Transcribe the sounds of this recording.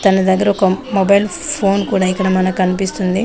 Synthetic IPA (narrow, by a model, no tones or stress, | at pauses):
t̪ɐnɐd̪ɐɡːɐɾɐɔkɐmobɐjlpʰo̞ːnkuːɽaːikːɐɽɐmɐnɐkːɐnipist̪und̪i